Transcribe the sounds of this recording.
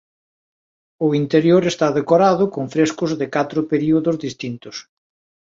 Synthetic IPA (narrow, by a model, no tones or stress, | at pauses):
ʊint̪eɾjoɾest̪aðekoɾaðʊkoŋfɾeskʊzðɪkat̪ɾʊpeɾiuðʊzðist̪int̪ʊs